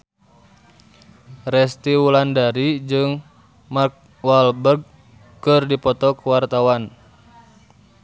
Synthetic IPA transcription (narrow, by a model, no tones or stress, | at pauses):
rɛst̪iwulandaɾid͡ʒɨŋ | mark̚ | walbərɡ̚ | kɨrdipɔt̪ɔkəwart̪awan